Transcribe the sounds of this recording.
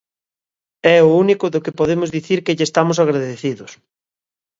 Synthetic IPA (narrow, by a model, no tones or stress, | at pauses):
ɛʊunikʊðʊkɪpoðemʊzðiθiɾkeʎɪest̪amʊs̬aɣɾaðeθiðʊs